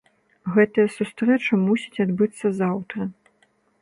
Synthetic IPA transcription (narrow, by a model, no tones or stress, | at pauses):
ɣɛt̪ɐjɐsust̪ɾɛt͡ʂɐmusʲi̥t͡sʲad̪bɨt̪sːɐzawt̪ɾɐ